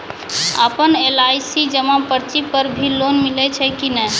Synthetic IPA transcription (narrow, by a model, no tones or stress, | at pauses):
ə̰pənelajsid͡ʒəmapəɾt͡ʃipəɾbʱilonmilɛt͡ʃʰɛkinəj